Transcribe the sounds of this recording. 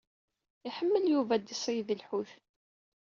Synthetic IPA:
iħəmːəljuvæd̪isˤiðəlħuθ

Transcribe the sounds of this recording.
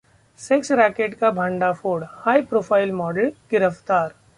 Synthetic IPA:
sɛksɾɛːkeːʈkabʱə̃ɳɖafoːɽhaːipɾoːpʰaːɪlmɔːɖəlɡ̥ɪɾəft̪aːɾ

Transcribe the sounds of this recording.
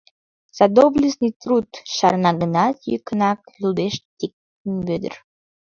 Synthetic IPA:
z̥ad̪oblʲisnɨjt̪ɾut̪ʃɑɾnɑɡənɑt̪jy̰kənɑklʲud̪eʃt̪ik̚tt̪ənbød̪ə̰r

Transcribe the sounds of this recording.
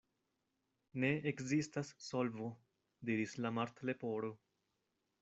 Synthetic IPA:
ne̞ekzistasːo̞lvo | diɾislamaɾt̪le̞po̞ɾo

